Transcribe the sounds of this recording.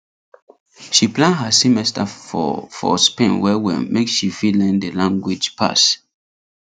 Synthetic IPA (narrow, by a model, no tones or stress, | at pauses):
ʃiplãnɦasimɛstʰafɔ̰fɔ̰spẽnwɛwḭmekʃifilɛ̃ndəlãŋɡwid͡ʒpʰa̰s